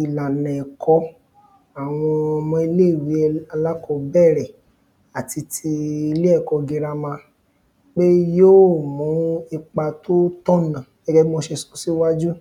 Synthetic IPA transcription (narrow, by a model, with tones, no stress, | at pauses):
i˨la˨nɛ̃˨kɔ˧ | a˨w̃ɔ̃˧ɔ˧mɔ̃˧i˧le˦˨wi˨˦˧a˧la˦kɔ˧bɛ˦˨ɾɛ˨ | a˨ti˧tʰi˧i˧le˦ɛ˦˨kɔ˧ɡe˧ɾa˧mã˧ | k͡pe˦jo˦˨mũ˨˦i˧k͡pa˧to˦tɔ˦nã˨ | ɛ˦ɡɛ˦i˦mo˧ʃe˧sɔ̥˨si˦wa˦d͡ʒu˦